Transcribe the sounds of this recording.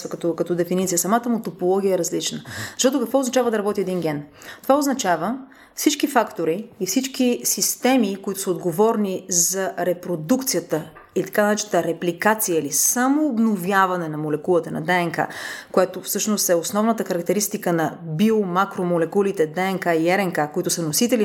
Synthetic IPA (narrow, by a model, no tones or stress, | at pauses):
vəkɐt̪okɐt̪ɔd̪ɛfinit̪sijəsɐmat̪əmot̪opolˠɔɡ̟iəɛɾɐzlit͡ʃnəzɐʃt̪ɔt̪ʊkəkvɔoznɐt͡ʃavəd̪ɐɾɐbɔt̪iɛd̪inɡʲɛn | t̪ovaoznɐt͡ʃavə | fsit͡ʃkifakt̪oɾiːfsit͡ʃkisist̪ɛmikoit̪ʊ̥səod̪ɡovɔɾnizɐɾɛpɾod̪ukt̪sijət̪ə | ilit̪ɐ̥kanɐnɛt͡ʃ̪t̪əɾɛplikat̪sijəilisamoːbnovjavɐnɛnɐmolɛkulˠət̪ənɐ̰d̪ɛɛŋka̰koɛt̪ofsɤʃnost̪ɛosnɔvnət̪əxɐɾɐkt̪ɛɾist̪ikənɐbiomakɾomolɛkulit̪ɛd̪ɛɛŋkaiɛɾɛŋkakoit̪ʊsənosit̪ɛli